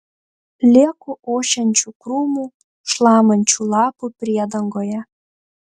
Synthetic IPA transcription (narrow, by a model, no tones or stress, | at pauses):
lʲekuʔoɕənʲt͡ɕukrumu | ʃlɑmənʲt͡ɕulɑpuprʲed̪əŋɡojɑ